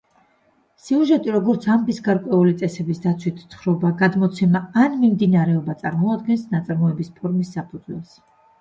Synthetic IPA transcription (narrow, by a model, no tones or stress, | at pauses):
siuʒɛt̪ʼiɾɔɡɔɾt̪sʰamd̪isɡaɾkʼwɛulit̪sʼɛsɛbisd̪at̪sʰwit̪ʰsχɾɔbaɡad̪mɔt̪sʰɛmaːnmimd̪inaɾɛɔbat̪sʼaɾmɔad̪ɡɛnsnat̪sʼaɾmɔɛbispʰɔɾmisːapʰud̪zwɛ̰lˠs